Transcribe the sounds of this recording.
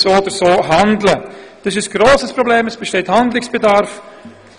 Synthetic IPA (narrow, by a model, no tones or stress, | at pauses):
soːod̪əɾsoːɦandləd̥ɑsɪsɡ̥ɾoːsəspɾobleːməsb̥eʃteːthandlɪksb̥edɑɾf